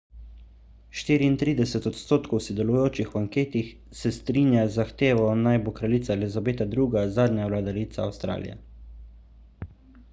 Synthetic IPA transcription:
ʃt̪iːɾiːnt̪ɾiːd̪ɛsɛt̪ɔt̪st̪oːt̪kɔwsɛd̪ɛlujoːt͡ʃixwaŋkeːt̪ix | sɛst̪ɾiːnjazaxt̪eːʋɔnajbokɾaliːt̪salizabeːt̪ad̪ɾuːɡazaːd̪ɲjawlad̪aɾit̪saːwst̪ɾa̰ːlḭjɛ̰

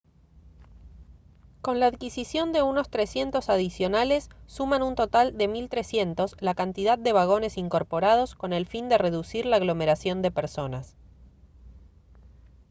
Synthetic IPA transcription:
ko̞nlaːðkisisjo̞nd̪e̞uno̞st̪ɾesje̞nt̪o̞saðisjo̞nale̞sːumanunt̪o̞t̪ald̪e̞milt̪ɾe̞sje̞nt̪o̞slakant̪iðað̚ːe̞βaɣ̞o̞ne̞siŋko̞ɾpo̞ɾað̞o̞sko̞ne̞lfind̪e̞re̞ðusiɾlaːɣlo̞me̞ɾasjo̞nd̪e̞peɾso̞nas

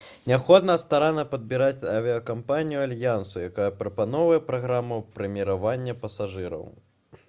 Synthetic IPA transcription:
nʲapxɔd̪nɐst̪aɾanɐpɐd̪bʲiɾat͡sʲɐvʲiɐkampanʲijualʲjansujakajɐpɾɐpanɔwvɐjɛpɾaɣɾamːupɾɐmʲiɾavanʲːɐpɐsaʐɨɾɐ̰w

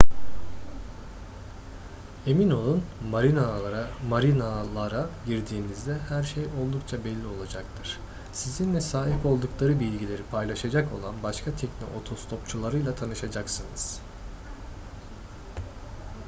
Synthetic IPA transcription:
e̞mino̞lˠunmaɾinamaɾinalˠaɾaɟiɾd̪iːnizd̪ɛhæɾʃejo̞lˠd̪ukt͡ʃʰabelʲːio̞lˠad͡ʒakt̪ʰɯɾ̥ | sizinlʲɛsaːɦiko̞lˠd̪uklˠaɾɯbilʲɟilʲe̞ɾipʰajlˠaʃad͡ʒako̞̰lˠanbaʃkʰat̪ʰɛcno̰ʔot̪ʰost̪ʰo̞pt͡ʃʰulˠaɾɯjlˠat̪ʰanɯʃad͡ʒaksɯnɯz̥

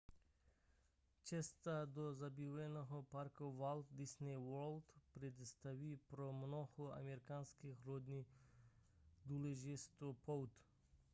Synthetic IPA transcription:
t͡ʃɛst̪ad̪ozabiʋɛnoɦopaɾkovalˠt̪d̪isnɛwɔɾlt̪pɾed̪st̪aʋipɾomnohoa̰meɾikanskixɾod̪ni | d̪uleʒist̪opʰowt̪

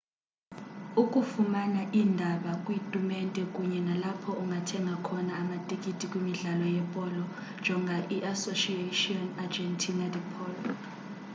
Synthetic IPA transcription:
ukʼufumanaʔiːndʱaɓakʼwitʼumɛntʼɛkʼuɲɛnalapʰɔʔuŋɡʱatʰɛŋɡʱakʰɔnaːmatʼikʼitʼikʼwimiɮalɔjɛpʼɔlɔ | nd͡ʒʱɔŋɡʱaʔiʔasoʃietiɔnad͡ʒɛntʰinadɛpʰʼɔːlɔ

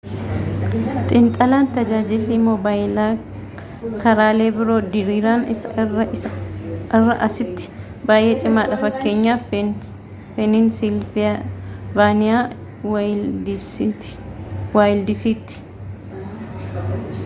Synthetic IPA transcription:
t̪ʼɪnt̪ʼɐlaːnt̪ɐd͡ʒaːd͡ʒɪlːimɔbaːɪlaː | kɐɾaːle̞ːbɪɾo̞ːd̪ɪɾiːɾaːnɪsɐɐ | ɐrːɐʔɐsɪt̪ːɪ̥ | baːjʔe̞ːt͡ʃʼɪmaːᶑɐfɐkːe̞ːɲːaːf | pɛnɪnsɪlɪbaːnɪjaː | waːjɪld̪ɪsiːt̪ːɪ̥

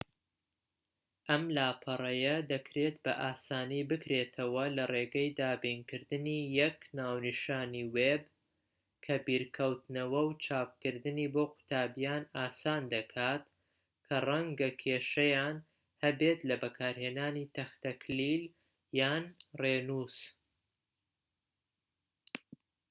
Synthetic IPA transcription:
ʔɐmlaːpʰɐrˤɐjɐd̪ɐkɾeːt̪bɐ̰ʔaːsaːniːbɨkɾeːt̪ʰɐwɐlɐreːɡɐjd̪aːbiːnkɨɾd̪ɨniːjɛknaːwnɨʃaːniweb | kʰɐbiːɾkʰɐwt̪nɐwɐwt͡ʃʰaːp̚kɨɾd̪ɨniːboqʰʊ̥t̪ʰaːbjaːnaːsaːnd̪ɐkʰaːt̪ | kʰɐrˤɐŋɡɐkʰeːʃɐjaːn | hɐbet̪lɐbɐkʰaːɾheːnaːnit̪ʰɐxt̪ɐkʰlil | jaːnreːnuːs

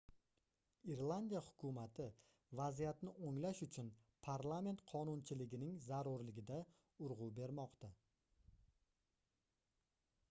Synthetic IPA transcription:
iɾlˠand̪ijahʊ̥kʰʊmat̪ʰɪ | vazijat̪nɪʔoŋlaʃʊt͡ʃʰʊnpʰaɾlˠame̞nt̪qʰɒnʊnt͡ʃʰɪlɪɡʲɪnɪŋzaɾʊɾlɪɡʲɪd̪a | ʊɾʁube̞ɾmɒqt̪a

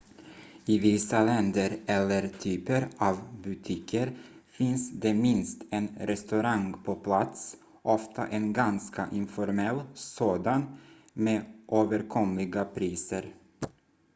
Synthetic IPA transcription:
ɪvɪsalɛnd̪əɾɛlːəɾt̪ʰyːpəɾɑːvbʉt̪ʰɪkʰəɾfɪnsd̪ɛmɪnst̪ɛnɾɛst̪ɵɾaŋpʰɔpʰlat̪s | ʔɔft̪ʰa̰ʔɛnɡanska̰ʔɪnfɔɾmɛlːsoːd̪an | meːʔoːvəɾkʰɔmlɪɡapʰɾiːsəɾ

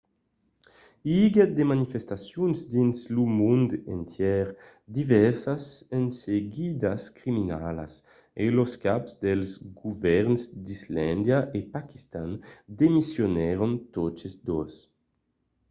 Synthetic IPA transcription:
iɡad̪emanifest̪asjunzd̪inslumund̪ḛnt̪jɛɾ | d̪ivɛɾsasenseɡid̪askɾimina̰la̰s | eloskapzd̪elzɡuvɛɾnsd̪izland̪jaʔepaki̥st̪and̪emisjonɛɾont̪ot͡ʃezd̪os

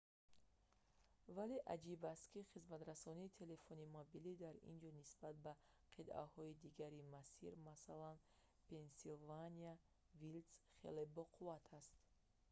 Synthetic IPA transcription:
vale̞ʔad͡ʒibast̪kʰiχizmat̪ɾasɔniːt̪ʰe̞le̞fɔnimɔbilid̪aɾḭnd͡ʒɔnisbat̪̚ba | qʰid̪a̰hɔid̪iɡaɾimasḭɾmasalan | pe̞nsilvania | vilsχe̞̰lebɔqʰuvat̪ʰast̪

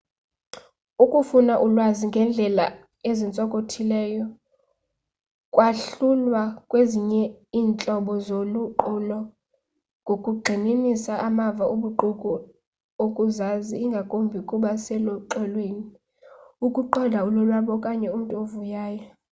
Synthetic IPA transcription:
ukʼufunaʔulwaziŋɡʱɛnd͡ɮʱɛla̰ | ezint͡sʼɔkʼotʰilɛːjɔ | kʼwaɬulwakʼweziɲɛiːnt͡ɬʼɔɓɔzoluǃulɔ | ŋɡʱokʼuɡ͡ǃʱininisaʔamavaʔuɓuǃukʼu | okʼuzaziːŋɡʱakʼombʱikʼuɓasɛlɔǃɛlweːni | ukʼuǃɔdʱaulɔlwaɓɔkʼaɲɛum̩tʼuovujaːjɔ

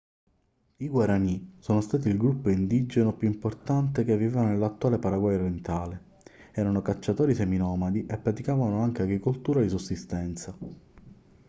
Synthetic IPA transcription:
iɡwaɾanisoːnost̪aːt̪̬iilɡɾupːoind̪id͡ʒenopjuimport̪ant̪ekevːivevanonelat̪ːuwaːlepaɾaɡwajoɾjent̪aːle | ɛːɾanokat͡ʃːat̪oːɾiseminɔːmad̪iʔepːɾat̪ikaːvanoaŋk̟eaɡɾikolt̪uːɾad̪isusːist̪ɛnt̪sa

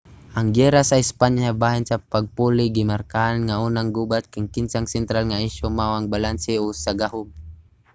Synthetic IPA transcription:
ʔaŋɡɛɾasaɪspaɲaabaɦɪnsapaɡ̚pulɪɡɪmarkaʔanŋaunaŋɡubat̪̚kaŋkɪnsaŋsɛnt̪ɾalŋaiʃomawaŋbalansɪɔsaɡahʊm

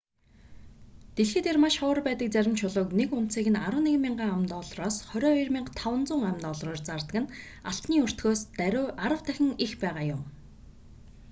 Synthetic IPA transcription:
t̪eɮxĕːt̪ermaʃχɔ̆ːrpæːt̪ə̆k̚t͡sæɾʲɪ̆mt͡ɕʰʊɮʊ̆ːknekʊn̥t̪siːɣɘ̆naɾwə̆neɣmʲiɴɢaːamt̪ɔːɮrɔːsχœɾʲɔːirmʲɪɴqt̪ʰawə̆nt͡sʊːŋamt̪ɔɮrɔːrt͡sart̪ə̆kɘ̆n | aɬt̪niːur̥t̪ɡoːst̪æɾːʔaɾə̆w̥t̪ʰæxʲɪ̆ŋixpæːʁaːjʊm

